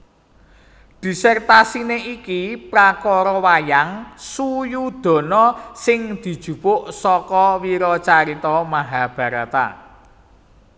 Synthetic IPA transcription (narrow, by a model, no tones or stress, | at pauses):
ɖ̥i̤sɛrt̪asineʔikipɾakɔɾɔwajaŋsujud̪̥ɔ̤nɔsɪŋd̪̥i̤d̥ʒ̥ṳpʊʔsɔkɔwiɾɔt͡ʃaɾit̪ɔmaɦab̥a̤ɾat̪a̰